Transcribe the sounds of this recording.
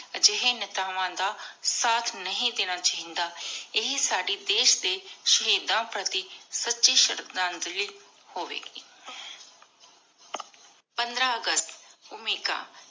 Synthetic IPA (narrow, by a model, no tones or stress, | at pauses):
d͡ʒɪɦenɪt̪aːʋãːd̪aːsaːt̪ʰnəɦĩːd̪ɪnãːt͡ʃəɦĩnd̪aːɪɦsaːɖiːd̪eːʃd̪eːʃəɦeːd̪ãːpɾət̪isətːʃiːʃəɾək̚d̪ãːnd̪liː | hoːʋḛːɡiː | pənd̪ɾaːəɡəst̪ʊmiːka̰ː